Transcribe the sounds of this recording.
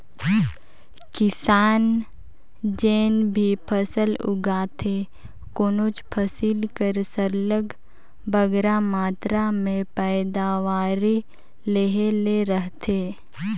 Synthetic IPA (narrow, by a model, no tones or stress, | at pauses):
kɪsaːn | d͡ʒeːnbʱipʰəsəlʊ̰ɡaːt̪ʰe | koːnoːt͡ʃpʰəsiːlkəɾsəɾləɡ | bəɡɾamaːt̪ɾamẽpɛːd̪aːʋaːɾi | leɦeleɾəɦt̪ʰeː